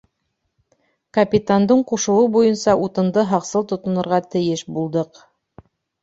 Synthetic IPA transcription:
kɐpʲit̪and̪ɤɴquʃɤ̆wɤbujɤnsɑʔut̪ɤ̆nd̪ɤɦɑqsɤlˠt̪ŏt̪ŏnɤ̆ɾʁɑt̪ɘ̆jɘʃbulˠd̪ɤq

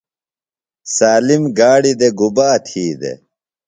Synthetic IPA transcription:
saːlimɡaːɽid̪eɡubaːt̪ʰiːd̪ḛ

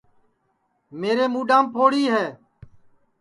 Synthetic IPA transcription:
meːɾeːmuːɖãːmpʰoːɽiːɦɛː

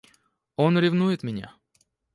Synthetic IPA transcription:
o̞nɾʲɪvnujɪt̪mʲɪnʲa̰

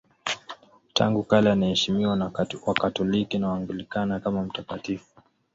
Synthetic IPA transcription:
ta̰ŋɡukalɛanaɛʃimiwawakatɔlikinawaŋɡulikanakamam̩takatifu̥

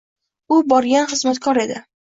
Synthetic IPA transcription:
ʊbɒɾɡʲanχɨzmat̪kʰɒɾe̞d̪ɪ

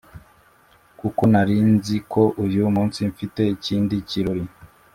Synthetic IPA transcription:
kuko̞naɾiːnzikʰo̞ʔuɾjumuːnsiɱfite̞iciːndiciɾoɾi

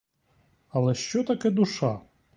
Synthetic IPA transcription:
ɐlˠɛʃt͡ʃɔt̪ɐkɛd̪uʃa

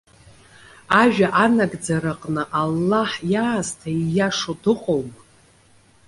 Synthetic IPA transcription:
aʒᶣaʔanaɡd͡zaɾaqʼnɨʔalːaħjaːztʰaijaʂodɨqʼowmʼ

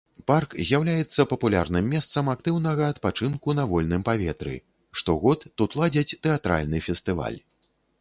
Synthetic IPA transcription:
parkzʲjawlʲajɛt̪sːɐpɐpulʲa̰rnɨmːʲɛst̪sɐmak̚t̪ɨwnɐɣɐːt̪pat͡ʂɨnkunɐvɔlʲnɨmpavʲɛt̪ɾɨ̰ | ʂt̪ɔɣɔt̪ːut̪lˠad͡zʲɐt͡sʲt̪ɛat̪ɾa̰lʲnɨfʲɛst̪ɨva̰lʲ

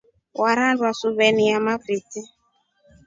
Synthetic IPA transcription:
waɾandwasuβɛniamafɾiti

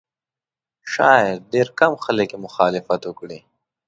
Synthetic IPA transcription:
ʃɑɪɾɖeɾkamxələkjemʊxɑːlɪfat̪wʊkɽi

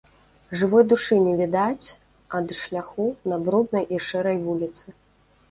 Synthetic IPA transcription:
ʐɨvɔjd̪uʂɨnʲɛvʲid̪at͡sʲ | ɐd̪ʂlʲaxunɐbɾud̪̚nɐjʔiʂɛɾɐjvulʲit̪sɨ

